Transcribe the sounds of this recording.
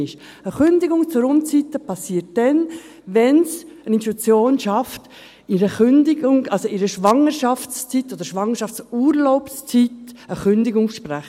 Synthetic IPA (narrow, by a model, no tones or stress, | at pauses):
ɪʃ | əχʏnd̪ɪɡʊŋt͡səɾʊmt͡sit̪ːəpʰɑsːiːət̚d̥ɛn | ʋɛnsəninttut͡sjoːnʃɑft | ɪɾəχʏndɪɡʊŋɑlsoʔiɾəʃʋɑŋəɾʃɑft͡st͡sit̪ːod̪əɾʃʋɑŋəɾʃɑft͡suːɾloʊpst͡sitəχʏnd̪ɪɡʊŋʃpɾæχ